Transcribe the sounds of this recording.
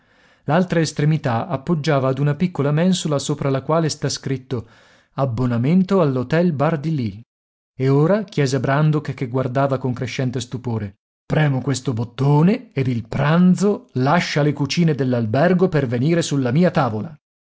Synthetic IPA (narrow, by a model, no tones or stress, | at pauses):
lalt̪ɾaest̪ɾemit̪aapːod͡ʒːaːvaːd̪unapikːolamɛnsolasoːpɾalakwaːlest̪askɾit̪ːo | abːonament̪oalːot̪ɛlbard̪ili | eoːɾakjɛːzabɾand̪okkːeɡward̪aːvakoŋkɾeʃːɛnt̪est̪upoːɾe | pɾɛːmokwest̪obot̪ːoːneed̪ilpɾand̪zolaʃːalekut͡ʃiːned̪elːalbɛrɡoperveniːɾesulːamiːat̪aːvola